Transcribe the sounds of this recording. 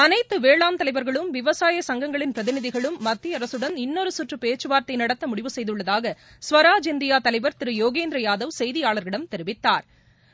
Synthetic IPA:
ɐnɐɪt̪ːɯʋeːɭaːmt̪ɐlɐɪʋɐɾɣɐɭɯmʋɪʋɐsaːjɐsɐŋɡɐŋɡɐɭɪnpɾɐðɪnɪðɪɣɐɭɯmːɐt̪ːiɐɾɐsɯɽɐnɪnːoːɾɯsʊʈrɯpeːt͡ʃːɯʋaːɾt̪ɐɪnɐɽɐt̪ːɐmʊɽɪʋɯsɛjðɯɭːɐðaːɣɐ | sʋɐɾaːd͡ʒɪnd̪ɪjaːt̪ɐlɐɪʋɐɾt̪ɪɾɯjoːɣeːnd̪ɾɐjaːðɐʋsɛjðɪjaːɭɐɾɣɪɽɐmt̪ɛɾɪʋɪt̪ːaːɾ

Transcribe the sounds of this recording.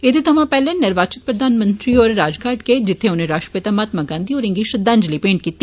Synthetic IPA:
et̪et̪ʰɐmãpɛːlẽnɪɾʋaːt͡ʃɪt̪̚pɾɐd̪ʱaːnmə̃nt̪ɾiɔːɾːaːd͡ʒkʰaːɾʈked͡ʒɪt̪ʰːeʊnẽɾaːʂʃʈɾəpet̪amaːt̪maɡãːnd̪iɔːɾɪ̃ŋɡiʃɐd̪ãːnd͡ʒlipẽːɳʈ̚kiːt̪ːi

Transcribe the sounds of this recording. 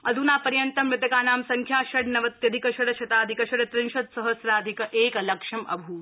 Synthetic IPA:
ɐd̪ʱunaːpɐɾjɐnt̪ɐmɾɪt̪ɐkaːnaːmsɐŋkʰjaːʃɐɽnɐʋɐt̪jɐd̪ʱikɐʃɐɽɐʃʰɐt̪aːd̪ʱikɐʃɐɽɐt̪ɾinʃɐd̪sɐɦɐsɾaːd̪ʱikɐʔeːkɐlɐkʂɐmʔɐ̰bʱuː

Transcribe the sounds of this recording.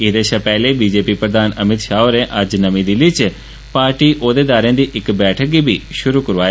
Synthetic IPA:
ɪd̪eːʃapɛɦlebid͡ʒeːpipɾəd̪ʱaːnɐmɪt̪ʃaːoɾẽʔad͡ʒnɐmĩd̪ilɪt͡ʃ | paːɾʈiʔoːd̪ed̪aːɾẽnd̪iʔɪkbɛːʈʰəkibʱiʃʊɾukəɾʋaːj

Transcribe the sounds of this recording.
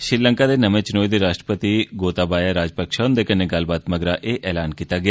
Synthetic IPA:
ʃɾɪɾləŋkaːd̪eːnəmẽːt͡ʃɪnoːid̪eːɾaːʃʈɾəpət̪iɡoːt̪aːbaːjaːɾaːd͡ʒpəkʃaːʊnd̪eːkəneːɡəlbaːt̪məɡɾaːʔeːʔɛːlaːnkiːt̪aːɡɪjaː

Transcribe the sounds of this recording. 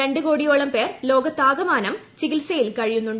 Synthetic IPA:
e̞ɳɖɨko̞ːɽijoːɭɐmpe̞ːrlo̞ːɡɐt̪aːɡɐmaːnɐmt͡ɕiɡilsɐjilkɐɻijunːuɳɖ

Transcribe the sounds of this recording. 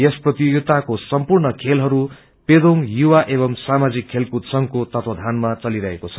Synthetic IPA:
jesprʌt̪ioɡt̪akosʌmpurɳʌkʰelɦʌɾu | ped̪ʱoŋjuwaʔeβʌmsamad͡zikʰːelkut̪sʌŋkot̪ʌt̪ʰod̪ʱanmat͡sʌliɾʌɦekot͡sʰʌ̥

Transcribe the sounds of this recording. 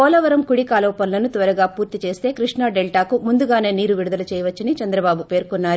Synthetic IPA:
ɔːlɐʋɐɾɐmkuɽikaːlɐːpɐnlɐnut̪ʋɐɾɐɡaːpuːɾt̪it͡ʃe̞ːst̪e̞ːkɾiʂɳaːɖelʈaːkumund̪uɡaːne̞ːniːɾuʋiɽud̪ɐlɐt͡ʃɛːjɐʋɐt͡ʃːɐnit͡ʃɐnd̪ɾɐbaːbupeːɾkɔnːaːɾu

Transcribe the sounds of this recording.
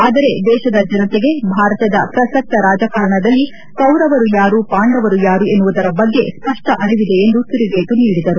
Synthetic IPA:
aːd̪ɐɾe̞d̪ɛːʃɐd̪ɐd͡ʒɐnɐt̪eɡe̞bʱaːɾɐt̪ɐd̪ɐ̰pɾɐsɐk̚t̪ɐɾaːd͡ʒakɐɾɐɳɐd̪ɐlːi | kɐwɾɐʋɐɾujaːɾuːpaːɳɖɐʋɐɾujaːɾue̞nːuʋud̪ɐɾɐbɐɡːe̞̰spɐʂʈɐʔɐɾiʋid̪e̞ːnd̪ut̪iɾibeːt̪uniːɽid̪ɐɾu

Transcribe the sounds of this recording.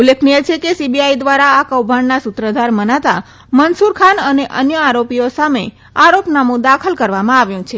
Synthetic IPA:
ulːekʰniet͡ʃʰekesibiaid̪ʋaɾaːkəwbʱaɳnasʊt̪ɾəd̪ʱaɾmənat̪a | mənsuɾkʰanəneʔə̰njəaɾopiosame | aɾopnamũd̪akʰəlkəɾʋamãaʋjũt͡ʃʰe

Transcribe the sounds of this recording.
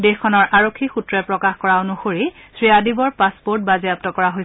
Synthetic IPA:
dexkʰːɔnɔɹʔaɹokʰːixutɹɛpɹɔkaxkɔɹaonoxoɹisɹiadibɔɹpaspoɹt̚baziap̚tɔkɔɹaɦoj

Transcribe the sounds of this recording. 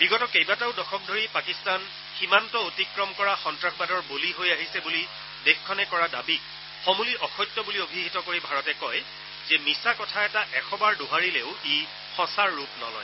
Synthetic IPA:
b̥iɡɔtɔkejbataʊdɔxɔk̚dʱoɹipakistan | ximantɔotikɹɔmkɔɹaxɔntɹaxbadɔɹboliɦojaɦisɛbuli | dexkʰːɔnɛkɔɹada̰bik̚ | xɔmuliʔɔxɔjtːjɔbuliobʱiɦitɔkoɹibʱaɹɔtɛkɔj | zɛmisakɔtʰaɛtaʔɛxɔbaɹdoɦaɹileʊe | xɔ̃saɹːupnɔ̰lɔ̰j

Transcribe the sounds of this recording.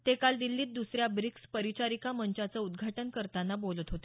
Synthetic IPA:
t̪ekald̪ilːiːt̪̚d̪usɾjabɾikspəɾit͡ɕaɾikaməɲt͡ɕat͡səud̪ɡʱaʈənkəɾt̪anːabolət̪ɦot̪e̥

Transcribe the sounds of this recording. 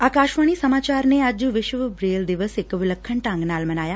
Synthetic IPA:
aːkaːʃʋaːɽ̃isəmaːt͡ʃaːɾneɐd͡ʒʋɪʃʋbɾeːld̪ɪʋəsɪkʋɪləkʰːəɳʈãŋɡnaːlmɐnaːjaː

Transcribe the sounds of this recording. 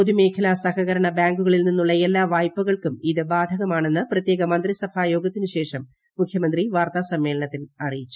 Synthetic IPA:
poðime̞ːkʰɐlasɐhɐɣɐɾɐɳɐbjaːŋɡuɣɐɭilninːuɭːɐelːaːʋaːjpːuɣɐɭkumiðɨbaːd̪ʱɐɣɐmaːɳe̞nːɨprɐt̪je̞ːɣɐmɐnd̪risɐbʱaːjo̞ːɡɐt̪ːinɨɕe̞ːʂɐmː | ukʰjɐmɐnd̪riʋaːrt̪asɐmːe̞ːlɐɳɐt̪ːilɐrijit͡ɕːu̥

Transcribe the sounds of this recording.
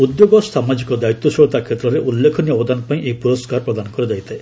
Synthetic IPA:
ud̪joɡɔst̪ʰamad͡ʒikɔd̪ait̪ːjɔsɔɭɔt̪akʰet̪ːɾɔɾeʔulːekʰɔniɔbɔd̪anɔpaĩʔepuɾɔskaɾpɾɔd̪anɔkɔɾɔd͡ʒajt̪ae

